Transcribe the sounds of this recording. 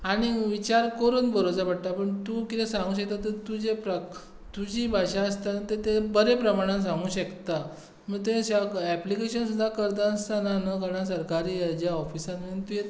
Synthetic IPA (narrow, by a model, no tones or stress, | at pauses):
aɽ̃iʋit͡ɕaɾkəɾuːnbəɾod͡zəbaɽʈ̪apəɳt̪uːkit̪ɛ̃sãŋɡuːɕək̚t̪at̪əɾt̪ud͡ʑepɾə | t̪ud͡ʑibʱaɕaəst̪anət̪et̪ebəɾepɾəmaɽ̃ãs̬ãŋɡuːɕəkt̪a | məɡ̚t̪ẽɕaɛplikeɕənsud̪ʱːakəɾd̪ãst̪ʰananəɡəɽ̃as̬əɾkaɾiːjad͡ʑjaɔfisãnmənt̪uje